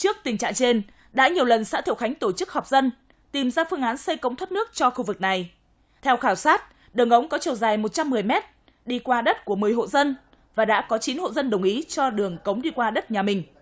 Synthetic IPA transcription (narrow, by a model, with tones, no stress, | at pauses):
t͡ɕɨ˦˥ək̚t̪ï˨˩ŋ̟t͡ɕa̰ː˧˨ŋt͡ɕe˧n | ɗa̰ː˧˥ɲi˨˩əwlə˨˩nsa̰ː˧˥t̪i˧˨xa˨˦jŋ̟t̪o˧˩t͡ɕɨ˦˥k̚hɔ˨˩wk͡p̚zə˧n | t̪i˨˩mzaː˧fɨ˧əŋʔaː˨˦nsə˧jkə˧˦wŋ͡mt̪ʰwə˦˥t̚nɨ˦˥ək̚t͡ɕɔ˧xu˧vɨ˨˩k̚na˨˩j | t̪ʰɛ˧wxaː˧˩wsaː˦˥t̚ | ɗɨ˨˩əŋʔə˨˦wŋ͡mkɔ˨˦t͡ɕə˨˩wzaː˨˩jmo˨˩t̚t͡ɕa˧mːɨ˨˩əjmɛ˦˥t̚ | ɗi˧kwaː˧ɗə˦˥t̚ku˧˩əmɨ˨˩əjɦo̰˧˨zə˧n | vaː˨˩ɗa̰ː˧˥kɔ˨˦t͡ɕi˨˦nho̰˧˨zə˧nɗə˨˩wŋ͡mʔi˨˦t͡ɕɔ˧ɗɨ˨˩əŋkə˨˦wŋ͡mɗi˧kwaː˧ɗə˦˥t̚ɲaː˨˩mï˨˩ŋ̟